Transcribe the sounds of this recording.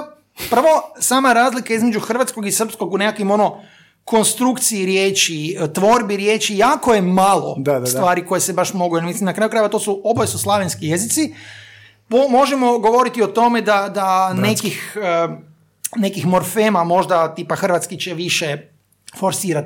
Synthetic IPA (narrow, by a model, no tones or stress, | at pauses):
pɾ̩ʋo̞saːmaɾaːzlikaizme̞d͡ʒuxr̩ʋat̪sko̞ɡisər̩psko̞ɡune̞kakʋimo̞no̞ | ko̞nst̪ɾukt̪siːɾjeːt͡ʃit̪ʋo̞ɾbiɾje̞ːt͡ʃijaːkojemalˠo̞̰d̪ast̪ʋaːɾiko̞jesebaʃmo̞ɡujelmislimnakɾaːjukɾajeʋat̪o̞suo̞bojesuslˠaʋenskije̞zit̪si | pomo̞ʒemo̞ɡo̞ʋo̞ɾit̪iot̪o̞me̞d̪ad̪anekixə | ne̞kixmo̞ɾfeːmamo̞ʒd̪at̪iːpaxr̩ʋat̪skit͡ɕeʋiʃe | fo̞ɾsiːɾat̪